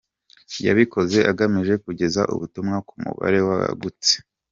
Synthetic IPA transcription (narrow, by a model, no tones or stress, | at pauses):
ja̰βiko̞ze̞ʔaɡamiʒe̞kuɟe̞zaʔṵβutumŋakumṵβa̰ɾe̞waa̰ɡut͡se̥